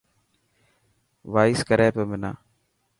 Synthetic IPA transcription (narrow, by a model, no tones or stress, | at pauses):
ʋaːɪskəɾɛːpeːmɪna̰ː